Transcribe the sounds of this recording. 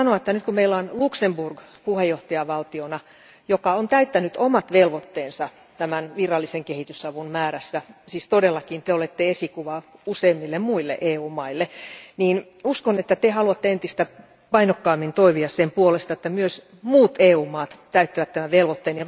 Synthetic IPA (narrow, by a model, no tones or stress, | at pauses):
ɑnoɑet̪ːænyt̪kummeilːɑːnluksemburɡ̥puhejːoht̪ɑjɑʋɑlt̪ionɑ | jokɑont̪æyt̪ːænyt̪omɑt̪ʋelʋot̪ːeːnsɑ | t̪æmænʋirɑlːiseŋkehit̪ysɑʋunmæːɾæsːæsiːst̪odelːɑkint̪eolet̪ːeesikuʋɑuseːmːilːemmuilːḛʔeːuːmɑilːeniːn | uskonet̪ːæt̪ehɑluɑt̪ːeent̪ist̪æ | pɑinokːɑːmːint̪oiʋiɑssempuolest̪ɑet̪ːæmyøs | muːt̪eːuːmɑːt̪t̪æyt̪ːiʋæt̪t̪ːæmæʋelʋot̪ːeːnjɑ